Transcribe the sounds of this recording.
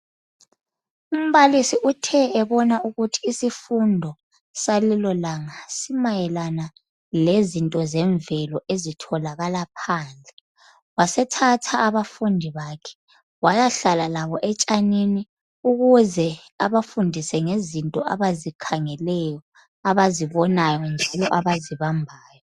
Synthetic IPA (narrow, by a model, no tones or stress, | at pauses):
um̩βalisiʔutʰɛɛβɔnauɣutʰi̥ːsifundʱɔ | salilɔlaŋasimajɛlana | lezintʼɔzɛɱvɛlɔʔezitʰɔlaɣalapʰaːnd͡ɮʱɛ | wasɛtʰatʰaʔːβafundʱiβaːkʰɛ̥ | wajaɬalalaβɔʔɛt͡ʃʼanini | uɣuzɛ | aβafundʱisɛŋezintʼɔaβazikʰaŋɛlɛjɔ | aβaziβɔnajɔnd͡ʒʱalɔʔaβaziβambʱaːjɔ